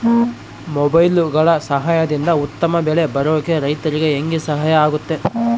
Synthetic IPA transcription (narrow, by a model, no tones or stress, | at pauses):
mɔbɐjlɡɐɭɐsɐɦajɐd̪ind̪ɐut̪ːɐmɐbɛɭe̞bɐɾoːkeɾɐjt̪ɐɾiɡe̞ːŋɡisɐɦɐjɐaːɡut̪ːe̞